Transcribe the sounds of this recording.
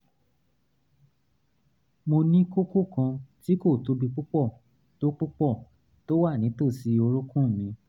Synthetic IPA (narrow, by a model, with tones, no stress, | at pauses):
mo˧nĩ˦ko˦ko˦˨kã˧ti˦ko˦˨to˧du˧k͡pu˦k͡pɔ˦˨ | to˦k͡pu˦k͡pɔ˦˨ | to˦wa˦˨nĩ˨˦to˦˨si˧˦o˧ɾo˦kũ˦˨mĩ˧˦